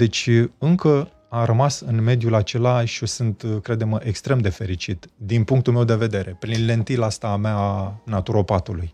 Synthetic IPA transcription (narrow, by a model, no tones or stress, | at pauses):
d̪̥e̞t͡ʃʲɨŋkə | arəmasɨnme̞d̪julat͡ʃe̞laʃio̞sɨnt̪kɾe̞d̪eməʔekst̪ɾe̞md̪e̞fe̞ɾit͡ʃit̪d̪inpuŋk̚t̪ulmewd̪e̞ve̞d̪e̞ɾʔe̞pɾinle̞nt̪ilast̪ameaːnat̪uɾopat̪uluj